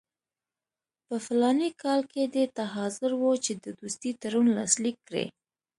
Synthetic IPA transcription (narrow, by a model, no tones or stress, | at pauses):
pəfɪlɑnikʰɑlked̪et̪aɦɑzʊɾwot͡ʃed̪əd̪ust̪it̪aɾunlɑ̰slikːɽḛ